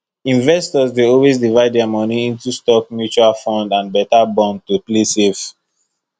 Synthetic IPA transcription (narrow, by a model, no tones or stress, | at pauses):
ĩnvɛstɔzdeɔlwezdivaɪd̚dɛamɔniĩntustɔk̚mjut͡ʃualfɔ̃ndãnbɛtabɔ̃nd̚tuplesef